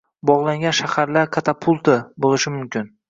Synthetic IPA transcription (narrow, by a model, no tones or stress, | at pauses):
bɒʁlˠaŋɡʲanʃahaɾlaɾkʰat̪ʰapʰʊlˠt̪ʰɪbolɪʃɪmʊmkʲʰɪn